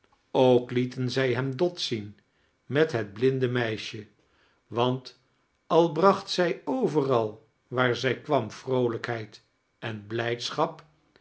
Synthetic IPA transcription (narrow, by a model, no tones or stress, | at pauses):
owklitənzɛjɦɛmdɔtsin | mɛtɦɛd̚blɪndəmɛjʃə | ʋɑnt | ɑlˠbrɑχtsɛjowvərɑlˠ | ʋaːɹzɛjkʋɑmfrowləkɦɛjt | ɛnblɛjtsχɑp